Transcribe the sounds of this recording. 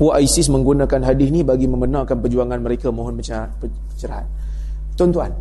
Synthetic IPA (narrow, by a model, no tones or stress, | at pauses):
puaʔaisɪsməŋɡunakanɦadɪhnibaɡiməmənãwkanpərd͡ʒuaŋanməɾekamãɦɔnpə | ət͡ʃəɾaɦa̰t̪̚ | t̪ɔnt̪ua̰n